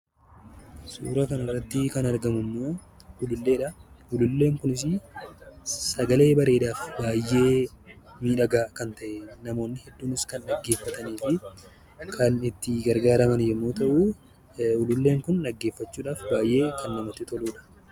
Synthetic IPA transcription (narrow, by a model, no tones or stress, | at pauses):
sṵːɾɐkɐnɐrːɐt̪ːɪkɐnɐɾɡɐmʊmːo̞ː | ʊlʊlːe̞ːᶑɐʊlʊlːe̞ːŋkʊnɪs̬ɪ | sɐɡɐle̞ːbɐɾe̞ːᶑaːfbaːjːe̞ː | miːᶑɐɡaːkɐnt̪ɐʔɛnɐmo̞ːnːɪhɛd̪ːuːnɪskɐnᶑɐɡːe̞ːfːɐt̪ɐniːfɪ | kʰɐnɪt̪ːɪɡɐɾɡaːɾɐmɐnjɛmːo̞ːt̪ɐʔuː | ʊlʊlːe̞ːŋkʊnᶑɐɡːe̞ːfːɐt͡ʃːuːᶑaːfbaːjʔe̞ːkʰɐnːɐmɐt̪ːɪt̪ɔluːᶑɐ̥